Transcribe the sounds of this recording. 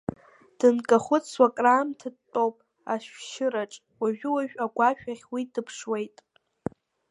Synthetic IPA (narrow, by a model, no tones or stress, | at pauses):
d̥ɨnkʼaχʷʊt͡swakʼraːmtʰɨtʼowpʼ | aʃᶣʃɪɾaʈ͡ʂʼ | waʒᶣɪwaʒᶣʼaɡʷaʃᶣaχʲwidɨpʰʂwe̞jtʼ